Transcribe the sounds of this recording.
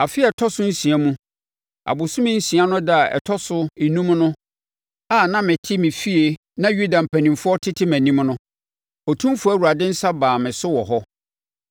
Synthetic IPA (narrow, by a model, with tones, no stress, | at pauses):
a˨fɪ˦ɛ˨tʰɔ˦sʊ˦n̩˦sĩ˨æ˦mũ˦ | a̰˨bʊ˨sʊ̃˦mɪ̃˦n̩˦sĩ˨a˦nʊ̃˦da˦a˨ʔɛ̰˨tʰɔ˦sʊ˦ɪ˨nũ˦mnʊ̃˦ | a˦˨nã˦mɪ̃˨tʰɪ˦mɪ̃˨fi˦e˨ | nã˦ju˦da˨m̩˨pʰæ̃˨nĩ˨mfʊ˦ɔ˦tʰɪ˦tʰɪ˦mæ̃˨nĩ˦mnʊ̃˦ | ɔ˨tʰũ˦mfʊ˦æ˦˨wu˨ɾa˨dɪ̃˦n̩˦sa˦baː˨mɪ̃˨sʊ˦wɔ˨ɦɔ˦